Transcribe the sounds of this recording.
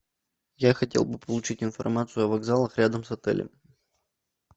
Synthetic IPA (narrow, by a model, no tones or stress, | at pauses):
jaxɐtʲe̞lˠbɨpəlˠʊt͡ɕitʲɪnfɐ̰rmat̪sɨʊɐvɐɡzalˠəxɾʲad̪əmsɐt̪ɛ̰lʲɪ̰m